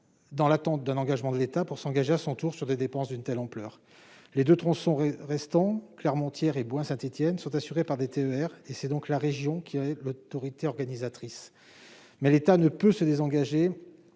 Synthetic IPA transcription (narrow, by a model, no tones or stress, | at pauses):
d̪ɑ̃lat̪ɑ̃t̪̚d̪ɛ̃nɑ̃ɡaʒmɑ̃d̪əlet̪apuʁsɑ̃ɡaʒeasɔ̃t̪uʁsyʁd̪ed̪epɑ̃sd̪ynt̪ɛlɑ̃plœːʁ | led̪øt̪χɔ̃sɔ̃ʁɛst̪ɑ̃klɛʁmɑ̃t̪jɛʁebwɛ̃sɛ̃t̪et̪jɛnsɔ̃t̪asyʁepaʁd̪et̪eøɛʁesɛd̪ɔ̃klaʁeʒjɔ̃kʲʰiɛlot̪ɔʁit̪eɔʁɡanizat̪χis | mɛlet̪anəpøsəd̪ezɑ̃ɡaʒe